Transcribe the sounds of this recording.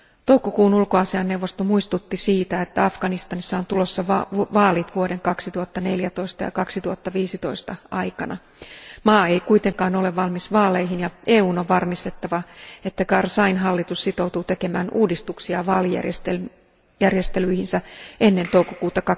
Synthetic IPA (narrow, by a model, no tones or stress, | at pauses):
t̪o̞wkokuːnulkoɑsiɑnːe̞wʋːo̞st̪o̞muist̪ut̪ːisiːt̪æet̪ːæɑfɡ̥ɑnist̪ɑnisːɑo̞nt̪ulo̞sːɑʋʋɑːlit̪ʋuo̞de̞ŋkɑksit̪uhɑt̪ːɑne̞ljæt̪o̞ist̪ɑ̰jɑ̰kɑksit̪uhɑt̪ːɑʋiːsit̪o̞̰ist̪ɑʔɑjkɑnɑ | mɑːe̞ikujt̪e̞ŋkɑːno̞le̞ʋʋɑlmisʋɑːlejɦinjɑʔeːuːno̞ʋʋɑrmist̪e̞t̪ːɑʋɑe̞t̪ːækɑrsɑjnɦɑlːit̪ussit̪o̞wt̪ut̪e̞ke̞mæːnuːdist̪uksiɑʋɑːlijæ̰rest̪e | jærjest̪elyihinsæʔe̞nːe̞nt̪o̞wkokuːt̪ɑkɑ